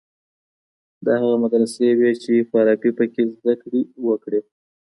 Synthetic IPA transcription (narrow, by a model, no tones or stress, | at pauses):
d̪ɑɦaɣamad̪ɾəsewet͡ʃefaɾɑpipəkezd̪akɽiwəkɽe